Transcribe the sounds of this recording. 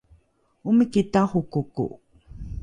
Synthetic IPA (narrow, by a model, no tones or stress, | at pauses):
uməkitaχukukṵ